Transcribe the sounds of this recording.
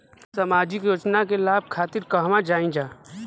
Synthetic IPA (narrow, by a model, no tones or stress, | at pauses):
səmaːd͡ʒɪkjoːt͡ʃnakelaːb̚kʰaːt̪ɪɾkəɦmãd͡ʒaːĩd͡ʒaː